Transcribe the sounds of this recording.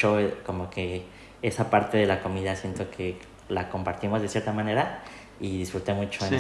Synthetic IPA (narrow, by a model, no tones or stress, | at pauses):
o̞ko̞mo̞ke̞ | esapaɾt̪e̞ðe̞lako̞miðasje̞nt̪o̞kʰe̞ | lako̞mpaɾt̪imo̞zðesje̞ɾt̪amãne̞ɾa | iðisfɾut̪e̞mut͡ʃo